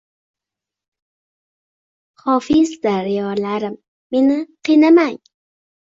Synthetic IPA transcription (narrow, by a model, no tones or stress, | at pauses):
hofɪst̪aɾɪolaɾamː | ɪnaqenamaj